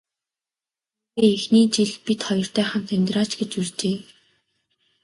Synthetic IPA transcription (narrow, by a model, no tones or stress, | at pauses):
eːexniːt͡ɕiɮpit̪χɔjɞ̆r̥t̪æːχə̆nt̪ʰœmʲt̪raːt͡ɕɡet͡ɕurt͡ɕeː